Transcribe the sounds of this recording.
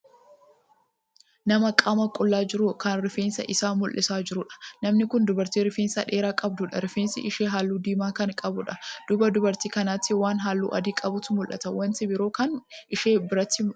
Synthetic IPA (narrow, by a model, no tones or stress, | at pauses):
nɐmɐkʼɐmɐkʼʊlːaːd͡ʒɪɾʊkɐnɾɪfeːnsɐ̰ʔɪsaːmʊlʔːɪsaːd͡ʒɪɾʊᶑɐ̥nɐmnɪkʊnd̪ʊbɐɾt̪iːɾɪfeːnsɐᶑe̞ːɾaːkʼɐb̚d̪ʊᶑɐɾɪfeːnsɪ̰ʔɪʃeːɦaːlːuːd̪iːmaːkɐnkʼɐbʊᶑɐd̪̥ʊbɐd̪ʊbɐɾt̪iːkɐnaːt̪ːɪwaːnɦaːlːṵːʔɐ̰d̪iːkʼɐbʊt̪ʊmʊlʔɐ̰t̪ɐwɐnt̪ɪbɪɾo̞ːkɐnʔɪʃeːbɪɾɐt̪ːɪ